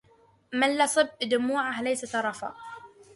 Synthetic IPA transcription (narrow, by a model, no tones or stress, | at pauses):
malːasˤɨb̚d̪ʊmuːʕaɦlajsat̪ɑɾˤɑfa̰ː